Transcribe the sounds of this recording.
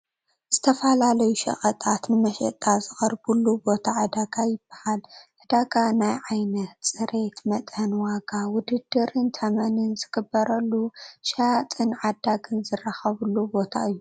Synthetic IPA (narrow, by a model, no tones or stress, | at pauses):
z̥ɨt̪ʰɐfalalɐjuʃɐ̰χʼɐt̪ʼat̪nɨmɐʃɐ̰t̪ʼːazɨxʼɐɾbulːubo̞t̪ʰaʕɨd̪aɡajɪb̥ːḁhalʕɨd̪aɡanajʕajnɐt̪sʼɨɾe̞t̪mɐt̪ʼɐnwaɡawʊd̪ɨd̪ːɨɾɨnt̪ʰɐmɐnɨnzɨɡɨbːɐɾɐlːuʃaat̪ʼɨnʕad̪aɡɨnzɨraxɐβɨlːubo̞t̪ʰa̰ɨjːu